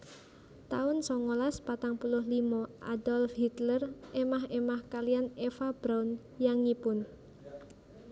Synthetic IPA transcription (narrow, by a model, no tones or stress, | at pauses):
t̪aʊnsɔŋolaspat̪aŋpulʊɦlimɔʔa̰dɔlfhit̪lərʔemaɦemahkalianefab̥ɾaʊn | jaŋipʊn